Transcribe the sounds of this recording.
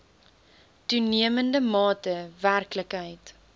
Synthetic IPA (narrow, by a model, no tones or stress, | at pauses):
tuniəməndəmɑːtəværkləkɦəjt